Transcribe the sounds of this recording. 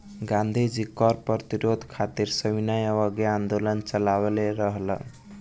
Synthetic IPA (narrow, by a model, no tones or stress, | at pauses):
ɡand̪ʱid͡ʒikɔɾpət̪iɾod̪ʱkʰat̪iɾsəbinajəβʌɡeand̪olʌnt͡ʃʌlaweleɾʌɦl̰